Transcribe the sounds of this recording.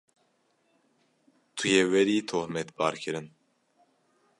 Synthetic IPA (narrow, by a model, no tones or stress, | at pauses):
t̪ʰujɛwɛɾiːt̪ʰohmɛt̪bɑːɾkʰɨɾɨn